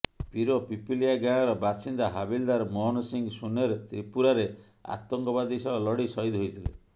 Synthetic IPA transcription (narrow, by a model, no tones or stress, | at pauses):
piɾopipiliaɡaɽ̃ɔɾɔbasind̪aɦabild̪aɾmɔɦnɔsiŋɡsuneɾt̪ɾipuɾaɾe | a̰t̪ɔŋkɔbad̪isɔɔlɔɽisɔjd̪ɦojt̪ʰile